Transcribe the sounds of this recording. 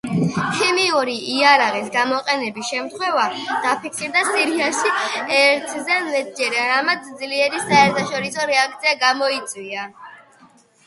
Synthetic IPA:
kʰimiuɾiːaɾaʁisɡamɔqʼɛnɛbisʃɛmt̪ʰχwɛvad̪̥apʰikʰsiɾd̪asiɾiaʃiɛɾt̪ʰzɛmɛt̪̚ʰd͡ʒɛɾaɾamat̪sʰd̪zliɛɾisaɛɾt̪ʰaʃɔɾisɔɾɛak̚t̪sʰiaɡamɔit̪sʼwia

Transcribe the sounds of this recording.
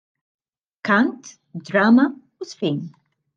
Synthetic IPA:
kɐnt̪ | d̪ɾɐːmɐ | usfiːn

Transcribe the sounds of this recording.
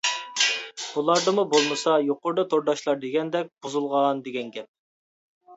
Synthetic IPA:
ulˠɑɾd̪ɨmubolˠmɨsɑjoqʊɾd̪ɑt̪ʰoɾd̪ɑʃlˠɑɾd̪eɡʲɛnd̪ɛk̚ʲbuzulˠʁɑnd̪eɡʲɛnɡʲɛp̚

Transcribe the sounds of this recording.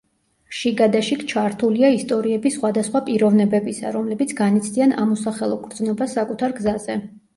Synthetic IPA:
ʃiɡad̪aʃikt͡ʃʰaɾt̪ʰuliaist̪ʼɔɾiɛbisχwad̪asχwapʼiɾɔvnɛbɛbisa̰ɾɔmlɛbit̪sʰɡanit̪sʰd̪iana̰mɔsaχɛlˠɔkʰʼɾd̪znɔbasːakʼut̪ʰaɾɡzazɛ

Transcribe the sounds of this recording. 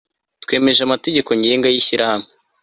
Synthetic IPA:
twe̞ːme̞ʒamate̞ɟe̞ko̞ɲɟeːŋɡajiçiɾʔahame

